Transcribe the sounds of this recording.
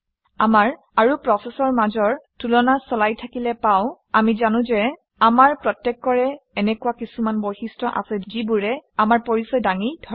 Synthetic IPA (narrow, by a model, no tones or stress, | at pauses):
amaɹ | aɹupɹɔsɛsɔɹmazɔɹtulɔnasɔlajtʰakilɛpaʊ̃ | amizanʊ̃zɛ | amaɹpɹɔtjɛkːɔɹɛɛnɛkuwakisumanbojxistɔʔa̰sɛzibʊɹɛamaɹpoɹisɔjdaŋidʱɔ